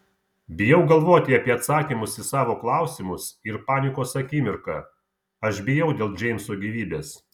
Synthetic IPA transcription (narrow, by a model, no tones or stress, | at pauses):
bʲɪjɛʊɡɐlˠʋoːt̪ʲɪɐːpʲiɛɐt̪sɑːkʲiːmʊsɪsɑːʋoːklˠɑˑʊsʲɪmʊsɪɾpɑːnʲɪkoːsɐkʲɪmʲɪɾkɑ̰ː | ɐʃbʲejɛʊd̪ʲeːlˠd͡ʒʲɛɪmʲsoːɡʲiːʋʲiːbʲeːs